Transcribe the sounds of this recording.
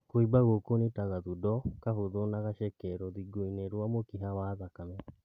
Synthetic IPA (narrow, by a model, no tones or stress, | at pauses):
koibaɣokonetaɣaðudɔkaɦoðonaɣaʃɛkɛɾɔðiɡoineɾwamokiɦawaːðakamɛ